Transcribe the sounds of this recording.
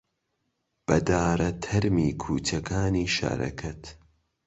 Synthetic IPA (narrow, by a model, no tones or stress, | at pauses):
b̥ɐd̪aːɾɐt̪ʰɐɾmiːkʰuːt͡ʃʰɐkʰaːniːʃa̰ːɾʔɐ̰kʰɐt̪